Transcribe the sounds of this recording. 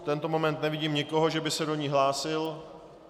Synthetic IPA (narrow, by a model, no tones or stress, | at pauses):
t̪ɛnt̪o̞mo̞mɛnt̪nɛvɪɟiːmɲɪko̞ɦo̞ʒɛbɪsɛdo̞ɲiːɦlaːsɪl